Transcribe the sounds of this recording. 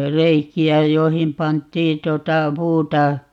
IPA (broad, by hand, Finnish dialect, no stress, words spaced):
reikiæ joihim pɑntˑiː tŭotɑ puːtɑ